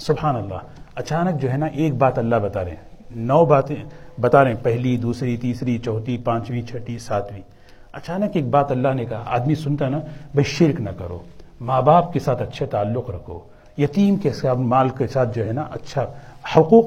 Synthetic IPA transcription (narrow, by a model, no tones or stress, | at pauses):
sʊbhaːnɐlːa̰ː | ɐt͡ʃaːnək̚d͡ʒoːɦɛnaʔeːk̚baːt̪ɐlːaɦbɐt̪aːɾḛ̃ːnɔːbaːt̪ẽbɐt̪aːɾẽːpɛɦlid̪uːsɾit̪iːsɾit͡ʃɔːt̪ipãːt͡ʃʋĩt͡ʃʰɐʈisaːt̪ʰwĩː | ɐt͡ʃaːnəkeːk̚baːt̪ɐlːaɦnekɐɦaa̰ːd̪misʊnt̪aɦnabɐiʃɪɾknɐkɐɾo̰ːmaːbaːp̚kesaːt̪ɐtːʃʰet̪aːlːʊqɾɐkʰo̰ː | jɐt̪iːmkesamaːlkesaːt̪̚ʰd͡ʒoːɦɛnaʔɐ̰tːʃʰahʊquːq